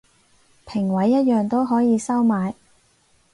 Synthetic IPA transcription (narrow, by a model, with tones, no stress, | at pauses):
pʰɪ˨˩ŋwɐ˨˥jːɐ˥t̚jœː˨˧ŋt̪o˥wɦɔː˨˥jiː˨˧sɐ˥wmaː˨˧j